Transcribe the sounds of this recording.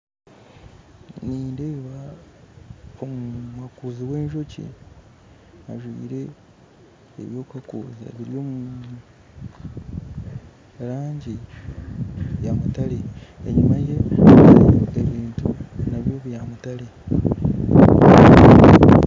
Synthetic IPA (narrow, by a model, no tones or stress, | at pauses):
niːndeβa | omumwakuːziwe̞ːɲʒo̞cḭ | aʒwḭːɾe̞ | βjo̞ːkuakṵːza̰βiɾijo̞ːmu | ɾaːɲɟi | jamutaleeɲumaje̞ | uɡeβiːntunaβjo̞ːβujamutale